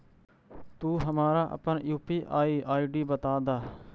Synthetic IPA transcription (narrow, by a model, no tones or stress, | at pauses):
t̪uːɦəmaːɾaːʔə̰pəɳjuːpiːʔaːiːʔaːiːɖiːbət̪aːd̪aː